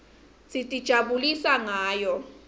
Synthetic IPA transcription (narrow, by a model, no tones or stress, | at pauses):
sʼitʼid̥ʒ̥ʱaɓulisaŋaːjɔ